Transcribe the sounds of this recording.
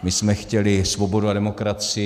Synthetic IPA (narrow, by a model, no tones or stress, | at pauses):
mɪsmɛxcɛlɪsvo̞bo̞duadɛmo̞kɾat͡sɪ